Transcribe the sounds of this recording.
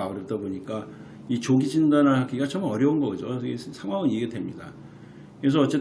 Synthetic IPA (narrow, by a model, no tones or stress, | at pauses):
auɾʌt͈aboɲik͈a | it͡ɕoɡid͡ʑindanaaɡiɡat͡ɕʌmʌɾjʌunɡʌid͡ʑoesʰaŋwaŋɯneɡetdʰemɲida̰ | kɯɾes̬ʌʌt͡ɕ͈e̞t